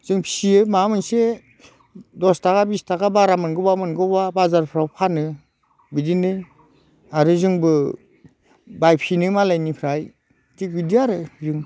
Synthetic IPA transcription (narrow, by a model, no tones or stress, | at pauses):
zɯŋpʰi̥siɯmamɯnse | dɔstʰakabistʰakabaɾamɯnɡɯbamɯnɡɯbabazaɾpʰɾawpʰanɯ | bidinɯ | aɾɯzɯŋbɯ | bajpʰinɯmalajnipʰɾaj | tik̚bidiaɾɯzɯŋ